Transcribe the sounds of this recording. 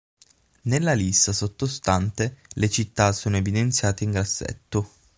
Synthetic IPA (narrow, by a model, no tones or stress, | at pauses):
nelːalisasot̪ːost̪ant̪elet͡ʃit̪ːasoːnoevid̪ent̪sʲjaːt̪eiŋɡɾasːɛ̰t̪ːo